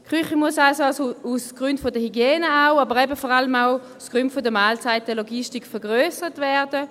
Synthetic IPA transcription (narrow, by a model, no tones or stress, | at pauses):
kχyχimuəsasoasousɡ̥ʁyntfodəhyɡjeːnəaʊabəʁɛbəfɔʁaləmaʊusɡ̥ʁyntfodəmaːlt͡saɪtəloɡiʃtikfəɐʁɡʁøːsəʁətvɛɐd̥ə